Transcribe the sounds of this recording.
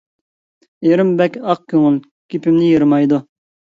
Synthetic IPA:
jeɾɪmbɛkʲɑq̚kʲʰøŋɪl | kʲʰipɪmnɪjiɾmɑjd̪u

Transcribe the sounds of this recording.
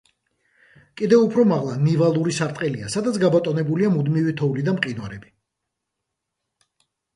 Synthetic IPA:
kʼid̪ɛupʰɾɔmaʁlˠanivalˠuɾisaɾt̪ʼqʼɛliasad̪at̪sʰɡabɔt̪ʼɔnɛbuliamud̪mivit̪ʰɔulid̪amqʼinwaɾɛbi

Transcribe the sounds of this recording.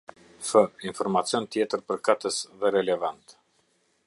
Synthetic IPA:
fəinfɔɾmat͡sijɔnt̪jɛt̪əɾpəɾkat̪əsðɛɾɛlɛvant̪

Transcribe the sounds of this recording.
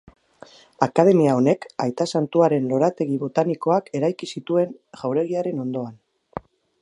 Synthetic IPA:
akað̞e̞miao̞ne̞kajt̪asant̪uaɾe̞nlo̞ɾat̪e̞ɣiβo̞t̪aniko̞ake̞ɾajkisit̪ue̞nʝawɾe̞ɣ̞iaɾe̞no̞nd̪o̞an

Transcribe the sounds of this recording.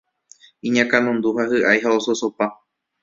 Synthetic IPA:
ĩɲãkãnõnd̪uhahɨʔajɦaososo̞pa

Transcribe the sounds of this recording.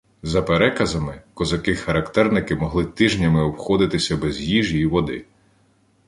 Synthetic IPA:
zɐpeɾɛkɐzɐmɪkɔzɐkɪxɐɾɐkt̪ɛrnɪkɪmɔɦlˠɪt̪ɪʒnʲɐmɪɔwxɔd̪ɪt̪ɪsʲɐbɛzjiʒiːʋɔd̪ɪ̰

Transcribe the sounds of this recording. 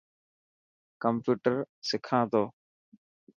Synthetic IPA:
kɐmpuːʈəɾsɪkʰãːd̪ɔ

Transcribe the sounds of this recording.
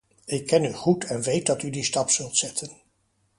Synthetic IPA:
ɪkːɛnyχutʰɛnʋejt̚dɑtydistɑpsɵlˠtsɛtʰən

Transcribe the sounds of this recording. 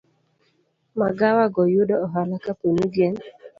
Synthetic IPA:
maɡawaɡɔjʊdɔɔɦalakapenuɡen

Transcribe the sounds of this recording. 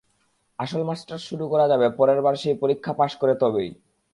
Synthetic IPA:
aʃolmasʈaɾʃuɾukɔɾad͡ʑabepɔɾeɾbaɾʃijpoɾikʰːapaʃkoɾet̪ɔbej

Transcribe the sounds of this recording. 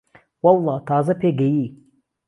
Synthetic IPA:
wɑlˠːɑːt̪ʰaːzɐpʰeɡɐji

